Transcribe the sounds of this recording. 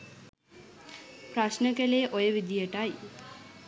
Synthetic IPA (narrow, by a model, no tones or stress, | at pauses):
pɾaʃnəkeleːʔojəʋid̪ijəʈaj